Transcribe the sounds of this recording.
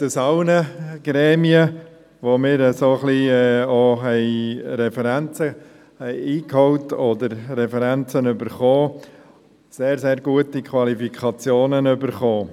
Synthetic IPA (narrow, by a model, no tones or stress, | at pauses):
d̥əsɑʊnəɡ̥ɾɛːmiə | ʋomɪːɾəsoχliɛoɦɛɪɾɛfɛɾænt͡sə | hɛɪiːkhɔʊtɔd̪əɾrɛfɛɾænt͡sənʏbəɾχoː | seːɾzeːɾɡuətikʰwɑlifikʰɑt͡sjoːnənʏbəɾχoː